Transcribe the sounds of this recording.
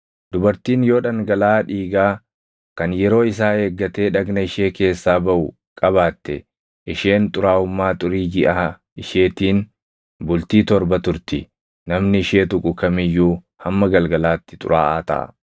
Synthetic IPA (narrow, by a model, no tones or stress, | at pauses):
d̪ʊbɐɾt̪iːnjo̞ːᶑɐŋɡɐlaːᶑiːɡaː | kɐnjɛɾo̞ːɪs̬aːeːɡːɐt̪e̞ːᶑɐɡnɐɪʃe̞ːke̞ːsːaːbɐʔʊ | kʼɐβaːt̪ːɛ | ʔɪʃe̞ːnt̪ʼʊɾaːʊmːaːt̪ʼʊɾiːɡɪʔɐ | ɪʃe̞ːt̪iːn | bʊlt̪iːt̪ɔɾbɐt̪ʊɾt̪ɪ | nɐmnɪʃe̞ːt̪ʊkʼʊkɐmɪjːuː | hɐmːɐɡɐlɡɐlaːt̪ːɪ̥t̪ʼʊ̰ɾa̰ːʔaːt̪ɐ̰ʔɐ̰